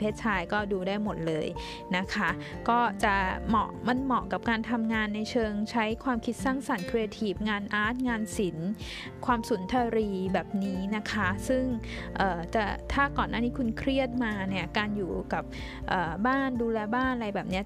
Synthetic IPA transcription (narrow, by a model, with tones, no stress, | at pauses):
pʰeː˥˩t̪̚t͡ɕʰaː˧jkɔː˥˩duː˧daː˥˩jmo˨˩t̪̚lɤː˧j | na˦˥kʰa˦˥ | kɔː˥˩t͡ɕa˨˩mɔː˨˩ʔ̚ma˧nmɔː˨˩ka˨˩p̚kaː˧nt̪ʰa˧mŋaː˧nːa˧jt͡ɕʰɤː˧ŋt͡ɕʰa˦˥jkʰwaː˧mkʰi˦˥t̪̚saː˥˩ŋsa˨˩nkʰɾi˧ja˧t̪ʰiː˦˥˩p̚ŋaː˧nʔaː˦˥t̪̚ŋaː˧nsi˩˦n | kʰwaː˧msu˨˩˦nt̪ʰa˧ɾiː˧bɛː˨˩p̚niː˦˥na˦˥kʰa˦˥sɯ˥˩ŋʔɤː˨˩t͡ɕa˨˩t̪ʰaː˥˩kɔː˨˩nːʔaː˥˩niː˦˥kʰu˧nkʰɾi˥˩ət̪̚maː˧ni˥˩ɐkaː˧njuː˨˩ka˨˩p̚ | ʔɤː˨˩baː˥˩nduː˧lɛː˧baː˥˩nʔa˧ɾa˧jbɛː˨˩p̚ni˦˥ɐ